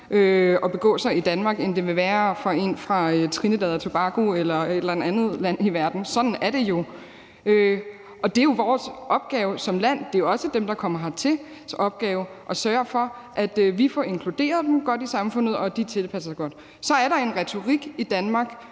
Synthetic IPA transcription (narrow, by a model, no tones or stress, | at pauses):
ʔøɒ̽b̥e̝ɡ̥ɔ̰̽ːsɑ̈ɪid̥ænmɑ̈ːɡ̥end̥e̝ʋe̝ʋæːɐfɑ̈e̝̰nfʁɑ̈øt͡sʰʁinəd̥ɛðˠɐt͡sʰo̝b̥ɑ̈ɡ̥oelɐed̥læn̩ˠænð̞̩ˠlæn̰iʋæɐd̥n̩sɒ̽d̥n̩æɐɾ̥e̝jo̝ | ø | ʔɒ̽d̥e̝jo̝ʋɒːsʔɒ̽b̥̚ɡ̥ɛːʊsɒ̽mlæn̰d̥e̝joɒ̽səd̥emd̥ɑ̈kʰɒ̽m̰ɐɦɑ̈t͡sʰe̝ | sɒ̽b̥̚ɡ̥ɛːʊʔɒ̽sɶːɐɐfɒ̽ʔæd̥ʋifɒe̝ŋkʰlud̥e̝̰ːɐðˠd̥em̩ɡ̥ɒ̽d̥isɑ̈mfɔ̽n̰ð̞̩ˠɒ̽d̥it͡sʰe̝lpʰæsɐsaɡ̥ɒ̽d̥ | sɒ̽æɐɾɑ̈e̝nʁɛt͡sʰo̝ʁiɡ̥id̥ænmɑ̈ːɡ̥